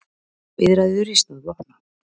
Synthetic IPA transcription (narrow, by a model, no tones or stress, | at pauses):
vɪðɾajðʏɾist̪anvɔt